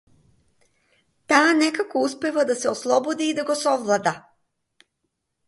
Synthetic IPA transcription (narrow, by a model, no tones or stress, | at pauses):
t̪aːnɛkakɔuspɛvad̪asɛɔslˠɔbɔd̪iːd̪aɡɔsɔvlˠad̪a